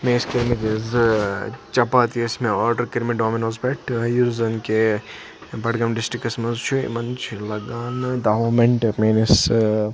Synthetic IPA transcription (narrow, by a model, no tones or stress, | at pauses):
mẽiskiɾmit̪iz | t͡ʃɐpaːt̪iɐsmẽoːɾɖɐɾkiɾmiɖoːminoːzpeʈjuɾzɐnke | bɐʈɡɐmɖɪsʈɾikːɐsmɐzt͡ʃʰuḭmɐnt͡ʃʰilɐɡaːnd̪aɦoːmeɳʈmenis